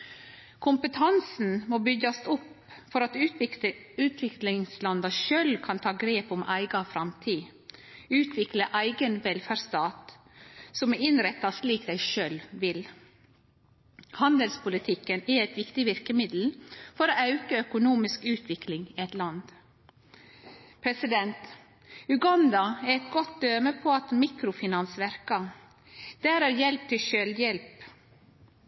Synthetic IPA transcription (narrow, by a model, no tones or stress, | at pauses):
kʰʊmpət̪ʰɑnsn̩moːbʏɡɑst̪ɔp | fɔɾɑt̪ʉ | ʉːt̪ʰʋɪklɪŋslɑnd̪ɑʃøːlkʰɑnt̪ʰɑːɡɾeːpʊmʔæɪɡɑfɾɑmt̪ʰiː | ʉːt̪ʰʋɪkləʔæɪɡənʋɛlfæɾst̪ɑːt̪ | sɔmɛɾɪnɾɛt̪ːɑsliːkd̪æɪʃøːlʋɪl | hɑnd̪əlspʊlɪt̪ʰɪkənɛɾɛɪt̪ʋɪkt̪ɪʋɪɾkəmɪd̪l̩fɔɾoːɑʉkəœkʊnuːmɪskʉːt̪ʰʋɪklɪŋiɛt̪lɑnd̪ | pʰɾɛsɪd̪ɛnt̪ | ʉɡɑnd̪ɑæɛt̪ɡɔt̪̚d̪øːməpʰoːɑt̪miːkɾʊfɪnɑnsʋæɾkɑ | d̪̥æːɾæːɾjɛlp̚t̪ʰɪʃøːljɛlp